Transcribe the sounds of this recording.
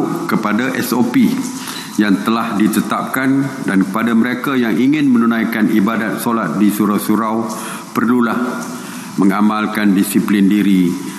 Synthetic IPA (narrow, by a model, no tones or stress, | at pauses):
ʔkəpadaʔɛsopi | jaŋt̪əlahdit̪ət̪ap̚kandankəpadaməɾekajaŋʔiŋɪnmə̃nunãjkanʔibadat̪̚solat̪̚disuɾawsuɾaw | pərlulah | mə̃ŋamalkandisiplindiɾi